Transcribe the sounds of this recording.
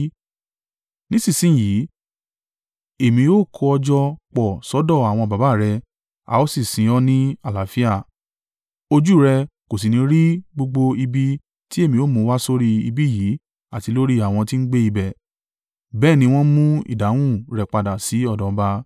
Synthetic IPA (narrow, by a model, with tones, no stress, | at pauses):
nĩ˦si˦˨sĩ˦˨jiː˨˦ | e˦˨mĩ˧o˦˨kʰɔ˧ɔ˧d͡ʒɔ˧k͡pɔ˨sɔ˨˦dɔ˦˨a˨w̃ɔ̃˧ba˨˦ba˦˨ɾɛ˧ | a̰˨o˦si˦˨sĩ˨˦ɔ˦nĩ˦a˦˨la˨fi˦a˦˨ | o˧d͡ʒu˦˨ɾɛ˧ko˨s̬i˨nĩ˧˦ɾi˦ɡ͡bo˧ɡ͡bo˧i˧bi˦ | ti˦e˦˨mĩ˧o˦˨mũ˨˦wa˦so˦ɾi˧ḭ˧bi˦˨jiː˨˦ | a˦˨ti˨˧lo˦ɾi˦a˦˨w̃ɔ̃˧ti˦n̩˦ɡ͡be˦i˧bɛ˦˨ | bɛː˦˨nĩ˧w̃ɔ̃˦mũ˦ḭ˦˨da˨˦w̃ũ˦˨ɾɛ˨k͡pa˨da˨si˨˦ɔ˦˨dɔ̃˨˦ba˧